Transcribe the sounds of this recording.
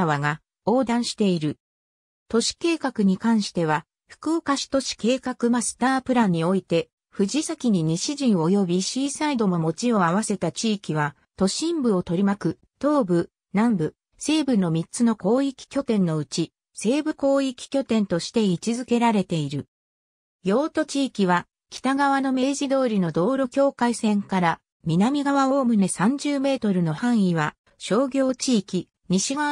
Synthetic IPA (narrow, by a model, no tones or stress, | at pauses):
aβaɡa | o̞ːd̪ãɰ̃ɕi̥t̪e̞iɾɯ̟ | t̪o̞ɕi̥ke̞ːkakɯ̟ɲ̟ikãɰ̃ɕi̥t̪e̞β̞a | ɸɯ̥kɯ̟okaɕi̥t̪o̞ɕi̥ke̞ːkakɯ̟masɨ̥t̪aːpɯ̟ɾãɲ̟ːio̞it̪e̞ | ɸɯ̟ʑisakʲiɲ̟iɲ̟iɕiʑĩɰ̃o̞jo̞bʲiɕiːsaid̪o̞mo̞mo̞t͡ɕio̞aβ̞ase̞t̪at͡ɕiːkʲiβ̞a | t̪o̞ɕĩmbɯ̟o̞t̪o̞ɾʲimakɯ̟ | t̪o̞ːbɯ̟ | nãmbɯ̟ | se̞ːbɯ̟nːo̞mʲit͡sɨno̞ko̞ːikʲi̥kʲo̞t̪ẽ̞nːo̞ɯ̟t͡ɕi | se̞ːbɯ̟ko̞ːikʲi̥kʲo̞t̪ẽ̞nt̪o̞ɕi̥t̪e̞it͡ɕizɨke̞ɾaɾe̞t̪e̞iɾɯ̟ | jo̞ːt̪o̞t͡ɕiːkʲiβ̞a | kʲi̥t̪aɡaβ̞ano̞me̞ːʑid̪o̞ːɾʲino̞d̪o̞ːɾo̞kʲo̞ːkaisẽ̞ŋkaɾa | mʲinamʲiɡaβaoːmɯ̟nesãɲ̟d͡ʑɨːme̞ːt̪o̞ɾɯ̟no̞hãɰ̃iβa | ɕo̞ːɡʲo̞ːt͡ɕiːkʲi | ɲ̟iɕia